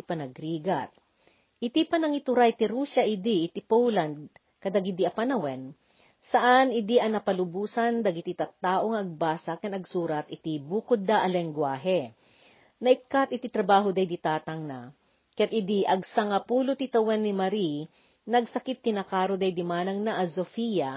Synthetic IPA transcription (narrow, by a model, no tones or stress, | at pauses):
pɐnɐɡɾiːɡɐt̪̚ | ʔɪt̪ipɐnɐŋɪt̪ʊɾajt̪ɪɾuːsɐʔɪd̪iʔːt̪ipowlɐnd̪̚ | kɐd̪ɐɡid̪iɐpɐnɐwɛn | sɐʔanɪd̪iʔɐnɐpɐlʊbuːsɐnd̪ɐɡɪt̪it̪ɐt̪ːaːʔoŋɐʔɐɡ̚baːsakɐnɐɡsuːɾɐt̪ɪt̪ibuːkʊd̪ːaʔɐlɛŋɡwaːɦɛ | nɐʔɪkːat̪ɪt̪it̪ɾɐbaːɦod̪ɐjd̪it̪aːt̪ɐŋnɐ | kɐjat̪̚ɪd̪iʔɐɡsɐŋɐpuːlot̪it̪ɐwɛnːɪmɐɾi | nɐɡsɐkɪt̪̚ːɪnɐkaːɾod̪ɐjd̪ɪmaːnɐŋnaʔɐsofija